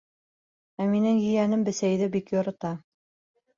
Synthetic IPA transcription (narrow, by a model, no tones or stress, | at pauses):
æminɘŋjɵ̆jænɘmbɘ̆sæjðɘbikjŏɾɤ̆t̪ɑ